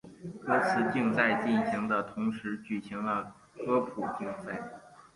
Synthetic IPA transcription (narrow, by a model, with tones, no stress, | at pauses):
kɤ˥t͡sʰɹ̩˥˧t͡ɕi˥˧ŋt͡sa˥˧ɪt͡ɕi˥˩nɕi˧˥ŋd̪ə˧t̪ʰʊ˧˥ŋʂɻ̩˧˥t͡ɕy˨˩ɕi˧˥ŋlə˧ | kɤ˥pʰu˨˩t͡ɕi˥˧ŋt͡sa˥˩ɪ